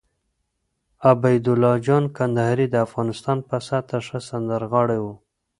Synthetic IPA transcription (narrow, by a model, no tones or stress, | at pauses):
abajd̪ʊlɑd͡ʒɑnkand̪ahaɾid̪əafɣɑnɪst̪ɑnpasat̪aʂəsand̪əɾɣɑɽewu